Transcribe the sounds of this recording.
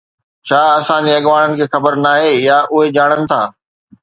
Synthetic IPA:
t͡ɕʰaːɐsãd͡ʑeɐɠʋaːɽ̃ənɪ̆kʰeːxɐbəɾnaːɦejaːʔʊɦed͡ʑaːɽ̃ənɪ̆t̪ʰaː

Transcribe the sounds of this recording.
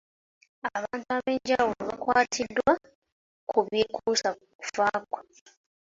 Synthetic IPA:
aβaːntuaβe̞ːɲɟawuloβakwaːtʰidwa | kuβjeːkʰuːsa | ku̥faːkwa

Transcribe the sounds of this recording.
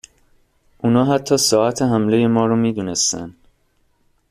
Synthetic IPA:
ʔunɒːɦæt̪ʰːɒːsɒːæt̪ʰeɦæmle̞jemɒːɾɔːmiːd̪uːnest̪æ̰n

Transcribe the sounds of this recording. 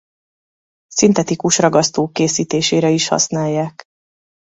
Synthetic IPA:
sint̪ɛt̪ikuʃrɒɡɒst̪oːkːeːsiːt̪eːʃeːɾɛiʃhɒ̰snaːjːaːk

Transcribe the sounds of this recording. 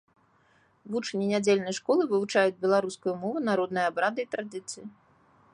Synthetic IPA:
vut͡ʂnʲinʲad͡zʲelʲnɐjʂkɔlˠɨvɨvut͡ʂajud͡zʲbʲɛlˠaɾuskujumɔvunaɾɔd̪nɨjɐabɾad̪ɨit̪ɾad̪ɨt̪sɨji

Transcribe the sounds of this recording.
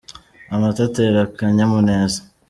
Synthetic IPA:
amatateɾakaɲamuneːzḁ

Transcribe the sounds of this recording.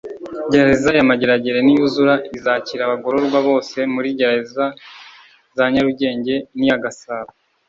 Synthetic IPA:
ɟeɾaezajamaɟeɾaɟe̞ɾe̞nijuzuɾaizaciɾaβaɡo̞ɾo̞ɾɡwaβo̞ːse̞muɾiɟeɾeeza | zaɲaɾuɟe̞ːɲɟe̞nijaɡasaːβa

